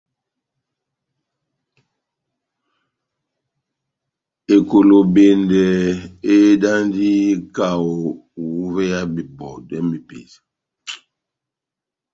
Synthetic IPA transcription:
e˨ko˨lo˨be˨ndɛ˨e˦da˦ndi˦ka˨wo˨wu˨˦vɛ˦ja˦bi˨bɔ˨dɛ˦mi˨pḛ˨sḁ˨

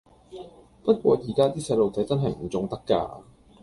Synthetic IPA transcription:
pɐ˥t̚kʷɔː˧ji˨˩kaː˥t̪iː˥sɛ˧lo˨wt͡sɐ˨˥jt͡sɐ˥nɦɐ˨jm̩˨˩t͡sʊ˨˧ŋt̪ɐ˥kːa̰ː˧

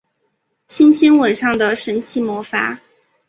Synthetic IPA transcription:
ɕʰi˥nɕʰi˥nwə˨˩nʂɑ˥˩ŋd̪ə˩ʂə˧˥nt͡ɕʰi˧˥˩mwɔ˧˥fa̰˧˥

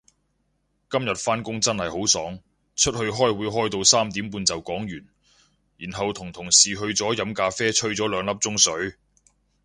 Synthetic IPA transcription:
kɐ˥mjɐ˨t̚faː˥nkʊ˥ŋt͡sɐ˥nhɐ˨jho˨˥wsɔː˨˥ŋ | t͡ʃʰɵ˥t̚hɵ˧ɥɦɔː˥jwuː˨˥jɦɔː˥jt̪o˧wsaː˥mt̪iː˨˥mpuː˧nt͡sɐ˨wkɔː˨˥ŋjyː˨˩n | jiː˨˩nɦɐ˨wt̪ʰʊ˨˩ŋt̪ʰʊ˨˩ŋsiː˨ɦɵ˧ɥt͡sɔː˨˥jɐ˨˧˥mkaː˧fɛː˥t͡ʃʰɵ˥ɥt͡sɔː˨˥lœː˨˧ŋlɐ˥p̚t͡sʊ˥ŋsɵ˨˥ɥ

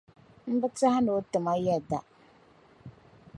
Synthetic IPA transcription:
m̩˦bɨ˦ta˦ha˦no˨˦tɨ˨ma˦jɛ˦da˨

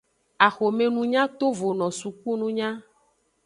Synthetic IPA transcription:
a˨xo˨me˨nũ˨ɲã˦t̪o˦vo˨nɔ̃˨su˨ku˦nũ˦ɲã˦

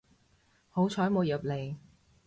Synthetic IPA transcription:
ho˨˥wt͡ʃʰɔː˨˥jmo˨˧wjɐ˨p̚le˨˧j

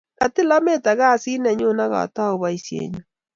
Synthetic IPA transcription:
ka˨ti˦la˦me˦ta˨ɣa˦˨si˦nɛ˨ɲo˦na˦ɣa̰˨ta˦o˨βa˨isjḛɲu

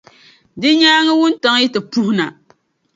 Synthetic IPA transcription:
dɨ˦ɲaː˦ŋɨ˦wʊ˦n˦ta˨ŋ˦ji˦tɨ˨pu˦hʊ˦na˨

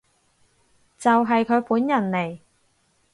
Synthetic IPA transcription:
t͡sɐ˨wɦɐ˨jkʰɵ˨˧ɥpuː˨˥njɐ˨˩nle˨˩j

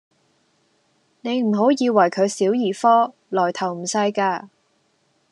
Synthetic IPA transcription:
ne˨˧jm̩˨˩ɦo˨˥wjiː˨˧wɐ˨˩jkʰɵ˨˧ɥsiː˨˥wjiː˨˩fɔː˥ | lɔː˨˩jt̪ʰɐ˨˩wm̩˨˩sɐ˧jkaː˧

